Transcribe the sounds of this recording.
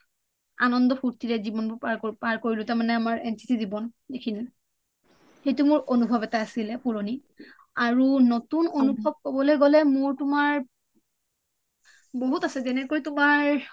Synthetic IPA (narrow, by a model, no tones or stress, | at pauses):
a̰nɔndɔpʰuɹtiɹɛzibɔnpapaɹkoɹilʊtaɹmanɛamaɹɛnti̥tizibɔnekʰini | xejtʊmʊɹʔonubʱɔbɛtaasilɛpuɹoni | aɹunotunonubʱɔb̚kɔbɔlojɡɔlɛmʊɹtʊmaɹ | boɦutasɛzɛnɛkojtʊmaɹ